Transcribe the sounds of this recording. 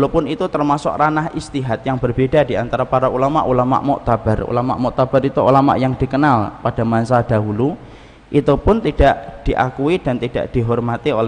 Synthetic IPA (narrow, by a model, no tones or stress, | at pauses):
lopʊnit̪ut̪ərmasʊ̰kranaɦist̪iɦat̪̚jaŋbərbedadiant̪aɾapaɾaulama̰ʔulama̰ʔmɔʔt̪ab̥arṵlama̰ʔmɔʔt̪ab̥aɾit̪uʔṵlama̰ʔjaŋd̥i̤kənalpad̥amansad̥aɦulu | ʔit̪upʊnt̪id̥aʔd̥iʔakuid̥ant̪ida̰ʔd̥iɦɔrmat̪iolɛ